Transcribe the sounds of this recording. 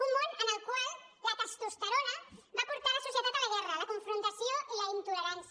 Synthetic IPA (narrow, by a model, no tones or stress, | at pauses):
umːõnənəlkwalak̪ast̪ost̪aɾonabapuɾt̪aɾasosjet̪at̪alaɣɛralakoɱfɾunt̪asjoʔilaint̪uleɾans